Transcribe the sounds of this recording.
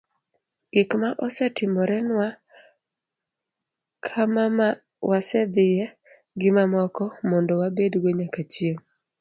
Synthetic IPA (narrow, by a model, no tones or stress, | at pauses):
ɡ̥ɪkmaʔɔsɛtɪmɔɾɛnwa | kʰama | wasɛd̪ɪjɛ | ɡɪmamɔkɔmɔndɔwabedɡwoɲakat͡ʃjeŋ